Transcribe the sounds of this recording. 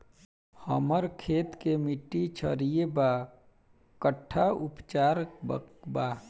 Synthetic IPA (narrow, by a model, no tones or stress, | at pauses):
həməɾkʰeːt̪kemiʈːit͡ʃʰə̰ɾijeba | kəʈʰːaʊpt͡ʃaːɾbə̰ba